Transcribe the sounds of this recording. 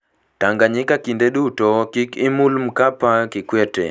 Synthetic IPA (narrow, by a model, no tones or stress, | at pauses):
taŋɡaɲikakindɛɗutɔkikimulm̩kapakikwɛtɛ̰